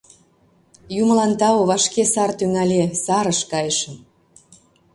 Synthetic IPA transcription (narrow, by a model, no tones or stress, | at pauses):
juməlɑnt̪ɑoβɑʃkesɑrt̪yŋɑlʲesɑɾəʃkɑjəʃəm